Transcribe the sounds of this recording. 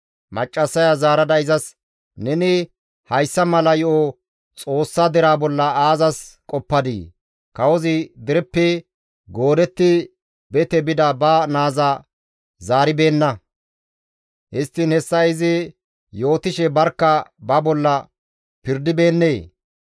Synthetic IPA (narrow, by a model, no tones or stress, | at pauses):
mɐt͡ʃʼːɐsːɐjazaːɾɐd̪ɐɪzɐs | nɛnɪ | hɐjsːɐmɐlɐjɪʔo | t͡sʼo̞ːsːɐd̪ɛɾaːbɔlːɐaːzɐskʼɔpːɐd̪ḭ | kɐwɔzɪd̪ɪɾɛpːɛ | ɡo̞ːd̪ɛt̪ːɪ | bɛt̪ɛbɪd̪ɐbɐnaːzɐ | zaːɾɪbe̞ːnːɐ | ʔɪst̪ːɪnhɛsːɐɪzɪ | jo̞ːt̪ɪʃɛbɐɾkːɐbɐbɔlːɐ | pɪɾd̪ɪbe̞ːnːe̞ː